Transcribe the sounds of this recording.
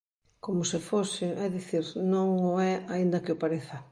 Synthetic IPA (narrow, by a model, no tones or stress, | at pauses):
komʊsɪfosɪʔɛðiθiɾnõŋoɛaind̪ɐkɪopaɾeθɐ